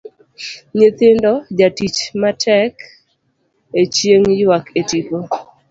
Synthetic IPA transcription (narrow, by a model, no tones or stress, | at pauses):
ɲet̪ɪndɔd͡ʒatit͡ʃmatʰɛk | et͡ʃjeŋjwaketipo